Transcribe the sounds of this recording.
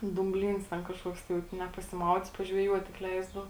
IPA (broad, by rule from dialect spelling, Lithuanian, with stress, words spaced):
duːmʲˈbʲlʲiːns tʲɛn kɐʃˈkuɔks tɐɪ ˈʋɐt nʲɛ pɐsʲɪˈmɐʊdʲiːt pɐʒʲʋʲɛˈjuɔt tʲɪk ˈlʲɛɪzdɐʊ